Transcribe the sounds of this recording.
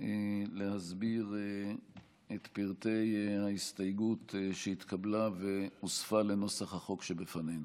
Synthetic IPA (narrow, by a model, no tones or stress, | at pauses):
elehazbiʁ | et̪piʁt̪e̞jhaist̪ajɡut̪ʃeit̪kablaveusfale̞no̞saχhaχo̞kʃebefanejnu